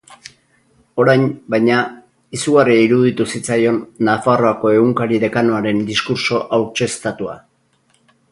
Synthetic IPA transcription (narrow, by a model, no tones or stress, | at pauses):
o̞ɾajnbajɲa | isuɣariaiɾuð̞it̪usit͡sajo̞nːafaro̞ako̞e̞ɣuŋkaɾiðe̞kanoaɾe̞nd̪iskuɾso̞ʔawt͡ʃe̞st̪at̪ua̰